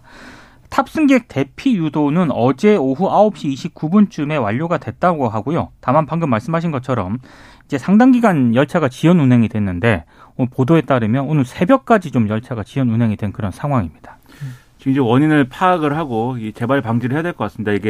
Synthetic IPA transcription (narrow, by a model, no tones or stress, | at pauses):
tʰap̚s͈ɯŋɡe̞k̚t͈e̞pʰijudonɯnʌd͡ʑe̞oɦuaop̚ɕ͈iːɕʰip̚k͈ubunt͡ɕ͈ume̞waʎːoɡadwe̞t̚t͈aɡoɦaɡojotamanpaŋɡɯmːaɭs͈ɯmɦaɕ̬ʰinɡʌt͡ɕʰʌɾʌm | id͡ʑe̞sʰaŋdaŋɡiɡanjʌɭt͡ɕʰaɡat͡ɕiʌnunɦe̞ŋidwe̞nːɯnde̞ | opodoe̞t͈aɾɯmjʌnonɯɭsʰe̞bjʌk̚k͈ad͡ʑit͡ɕomjʌɭt͡ɕʰaɡat͡ɕiʌnunɦeŋidwe̞nkɯɾʌnsʰaŋɦwaŋimɲid̥ḁ | t͡ɕiŋd͡ʑowʌɲinɯɭpʰaːɡɯɭɦaɡoike̞baɭpaŋd͡ʑiɾɯɭɦejadwe̞ɭk͈ʌk͈asɯmnideiɡe